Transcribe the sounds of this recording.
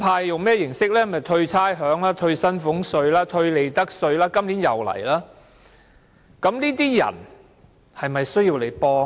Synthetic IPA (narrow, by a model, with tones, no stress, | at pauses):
pʰaː˧jjʊ˨ŋmɛː˥jɪ˨˩ŋsɪ˥k̚lɛː˥mɐ˨˩t̪ʰɵ˧ɥt͡sʰaː˥jɦœː˨˥ŋlaː˥t̪ʰɵ˧ɥsɐ˥nfʊ˨˥ŋsɵ˧ɥlaː˥t̪ʰɵ˧ɥle˨˧jt̪ɐ˥k̚sɵ˧ɥlaː˥kɐ˥mliː˨˥njɐ̰˨wlɐ̰˨˩jlaː˥ | kɐ˨˥mniː˥t̪̬iː˥jɐ̰˨˩n | hɐ˨jmɐ˨jsɵ˥ɥjiː˧wle˨˧jpɔː˧